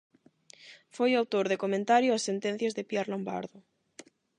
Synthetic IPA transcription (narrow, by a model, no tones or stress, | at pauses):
fojawt̪oɾðekomẽnt̪aɾjʊasːent̪ẽn̟θjazðepjɛɾlõmba̰ɾðʊ